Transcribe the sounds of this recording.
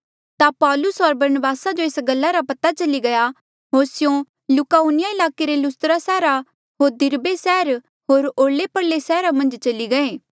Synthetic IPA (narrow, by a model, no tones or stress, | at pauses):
t̪apɔːlʊsɦɔɾbɐɾnəbaːsad͡ʒoeːsɡɐlːaɾapɐt̪at͡ʃɐliɡɐja | ɦoːɾsɪjõ | lʊkaːuːnɪjaɪlaːkeɾelʊst̪ɾasɛːɾa | ɦoːɾd̪ɪɾbesɛːɾ | ɦoːɾoːlepɐɽlesɛːɾamɐ̃nd͡ʒt͡ʃɐliɡɐeː